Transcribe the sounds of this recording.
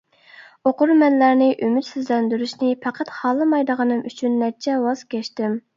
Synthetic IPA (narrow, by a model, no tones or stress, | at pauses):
oqʊɾmɛnlæɾnɪʔymyt̪syzlɛnd̪yɾyʃnɪpʰæqʰæt̪χɑlˠːɨmɑjd̪əʁənɨmyt͡ʃʰynːɛɾt͡ʃʰɛwɑz̥kʲɛʃt̪ɪm